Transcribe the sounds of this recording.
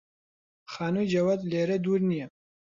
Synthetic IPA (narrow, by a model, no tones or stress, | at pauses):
χaːnujd͡ʒɐwad̪leːɾɐd̪uɾnijɛ